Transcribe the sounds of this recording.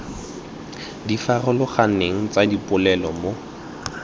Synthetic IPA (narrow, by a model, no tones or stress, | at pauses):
difarʊlʊχaneŋ̩t͡sadipʼʊlɛlɔmo